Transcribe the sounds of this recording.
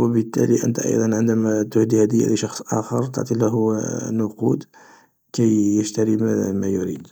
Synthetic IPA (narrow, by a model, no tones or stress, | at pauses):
wəbət̪ːæ̰liʔə̰nt̪æʔɑ̰jd̪ˤɑnʕənd̪æmæt̪ʊhd̪ihæd̪əj̰ːliʃɑxsˤʔɑ̰xɑɾˤt̪ə̰ʕt̪ˤilæɦʊnʊqud̪ | kæjːəʃt̪æɾimæmæjʊɾḭd̪